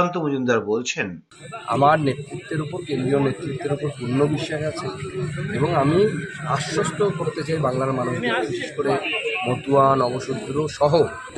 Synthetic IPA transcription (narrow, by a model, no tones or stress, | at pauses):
ant̪omod͡ʑund̪aɾbolt͡ɕʰen | a̰maɾnet̪ːɾit̪ːeɾupoɾkend̪ɾijonet̪ːɾit̪ːeɾupoɾpunːobiʃːaʃat͡ɕʰeeboŋamiaʃːoʃʈʰokoɾt̪et͡ɕajbaŋlaɾmanuʃobiʃeʃkoɾemot̪uanɔboʃud̪ɾoʃɔɦo